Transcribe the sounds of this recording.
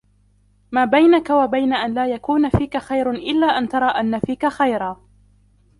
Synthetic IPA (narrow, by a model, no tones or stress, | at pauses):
maːbajnakawabajnaʔanlaːjakuːnafiːkaxajɾʔɪlːaːʔant̪ɑɾˤɑːʔanːafiːkaxajɾaː